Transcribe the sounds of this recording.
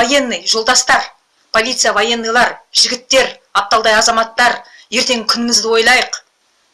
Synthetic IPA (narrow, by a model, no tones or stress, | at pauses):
oje̞nːɨjʒo̞lˠd̪ɑst̪ɑɾ | pʰo̞lˠit̪sɨjavoje̞nːɨjlˠɑɾʒɪɡʲɪt̪ːe̞ɾɑp̚t̪ɑlˠd̪ɑjɑzɑmɑt̪ːɑɾ | je̞ɾt̪e̞ŋkʲʰʏnɪmɪzd̪ɪwo̞jlˠɑjəq